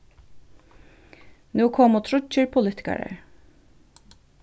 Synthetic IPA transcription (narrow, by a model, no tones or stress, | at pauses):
nuːkʰɔmoːt̪ʰɾʊt͡ʃəɹpʰʊlɪːt̪ʰɪ̥kɑ̰ɹə̰